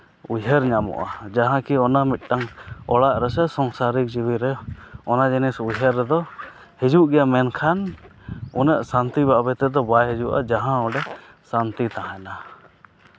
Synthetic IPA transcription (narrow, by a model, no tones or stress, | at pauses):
ujɦɛɾɲamɔ̰ʔad͡ʒaɦãkiɔnamit̪̚ˀʈaŋɔɽaʔɾɛsɛsɔŋsaɾik̚d͡ʒiwiɾɛɔnad͡ʒinisujɦɛɾːɛd̪ɔ | hid͡ʒuʔɡɛjamɛnkʰan | unəʔsant̪iβaʔbɛt̪ɛd̪ɔbajɦɛd͡ʒuʔa̰d͡ʒaɦãɔɖɛ | sant̪it̪aɦãna